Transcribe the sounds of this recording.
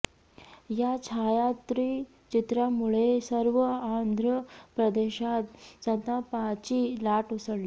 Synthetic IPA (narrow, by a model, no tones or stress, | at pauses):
jat͡ʃʰaːjat̪ɾi | t͡ʃit̪ɾamuɭesəɾʋəaːnd̪ʱɾəpɾɐd̪eːʃaːt̪sɐt̪apaːt͡ɕilaːʈusɐɭi